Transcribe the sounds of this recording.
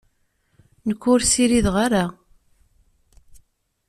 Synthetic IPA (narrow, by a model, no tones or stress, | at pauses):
nəkʷːʊɾsiɾiðʁaɾa